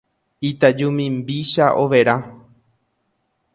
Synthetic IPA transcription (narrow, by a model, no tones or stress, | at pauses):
it̪ad͡ʒumĩmbiʃaʔo̞ʋe̞ɾa